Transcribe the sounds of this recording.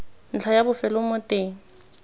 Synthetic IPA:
n̩t͡ɬʰajabʊfɛlʊmʊtʼeːŋ̩

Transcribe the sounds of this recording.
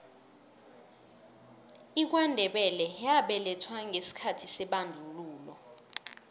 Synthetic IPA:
ik̬wandʱɛɓɛlɛjaɓɛlɛtʰwaŋʱesi̥kʰatʰisɛɓandʱuluːlɔ

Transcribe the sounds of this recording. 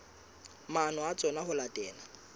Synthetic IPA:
manɔat͡sʼɔnahʊlatʼɛːna

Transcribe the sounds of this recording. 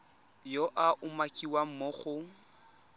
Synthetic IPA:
joʔaʔʊmakʼiwam̩moχʊ

